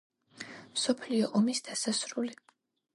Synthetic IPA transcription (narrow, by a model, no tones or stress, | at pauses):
msɔpʰliɔʔɔmisd̪̥asasɾuli